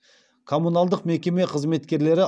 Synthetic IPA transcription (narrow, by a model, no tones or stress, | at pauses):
kʰo̞munalˠd̪əqme̞kʲe̞me̞qʰəzme̞t̪kʲe̞ɾle̞ɾɪ